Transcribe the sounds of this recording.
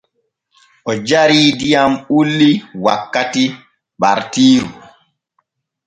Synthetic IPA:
ʔɔd͡ʒaɾiːdijamulːiwakːati | ɓaɾtiːɾṵ

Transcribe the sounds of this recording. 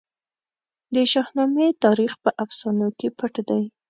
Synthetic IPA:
d̪əʃɑhnɑmet̪ɑɾixpəʔafsɑnokepəʈd̪aj

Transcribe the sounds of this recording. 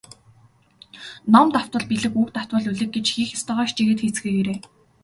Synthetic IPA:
nɔmt̪aw̥t̪wə̆ɮpiɮɘ̆kukt̪aw̥t̪wə̆ɮuɮɘ̆k̚ɡet͡ɕxiːxast̪aːʁaːʃt͡ɕiɣeːt̪xeːt͡sxɘ̆ːkeɾeː

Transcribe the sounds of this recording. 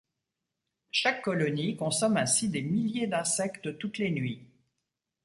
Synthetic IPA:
ʃakːɔlɔnikɔ̃sɔmɛ̃sid̪emiljed̪ɛ̃sɛkt̪t̪ut̪lenɥi

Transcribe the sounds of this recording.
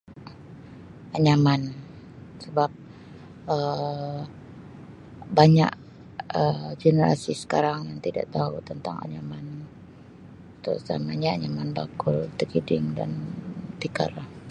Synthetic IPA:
aɲaman | səbap̚ | ə | baɲa̰k | əd͡ʒenəɾa̰sisə̥kaɾaŋjaŋt̪ida̰ʔt̪aut̪ənt̪aŋa̰ɲaman | t̪ɔ̰sa̰maɲaaɲamanbakʊlt̪əɡidɪŋda̰nt̪ika̰r

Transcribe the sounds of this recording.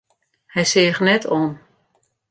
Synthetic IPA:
hɛjsɪːɣnɛtʰɔːn

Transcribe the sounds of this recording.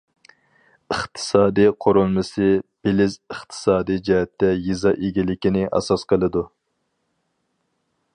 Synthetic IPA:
ɨχt̪ʰɨ̥sɑːd̪ijqʰoɾolˠmɨsɨb̥elɪzəχt̪ʰɨ̥sɑːd̪ijd͡ʒɛɦɛt̪ʰːɛjizɑʔeɡʲilɪkʲinɪʔɑ̰sɑsqʰəlˠɨd̪u

